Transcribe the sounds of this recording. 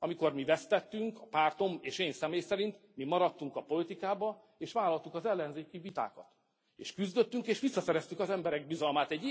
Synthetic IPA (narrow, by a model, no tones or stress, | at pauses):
ɒmiko̞rmivɛst̪ɛt̪ːyŋkɒpaːrt̪o̞meːʃeːnsɛmeːjsɛɾint̪mimɒɾɒt̪ːuŋkɒpo̞lit̪ikaːbɒ | eːʃʋaːlːɒlt̪ukɒzɛlːɛnzeːkivit̪a̰ːkɒt̪ | ḛːʃkyzd̪øt̪ːyŋkeːʃʋisːɒsɛɾɛst̪ykɒzɛmbɛɾɛɡ̚bizɒlmaːt̪ɛɟːi